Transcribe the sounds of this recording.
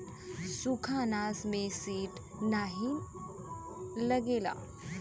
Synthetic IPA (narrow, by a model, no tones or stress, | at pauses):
sukʰanaːsmẽsiːʈ | naɦi | ləɡeːla̰ː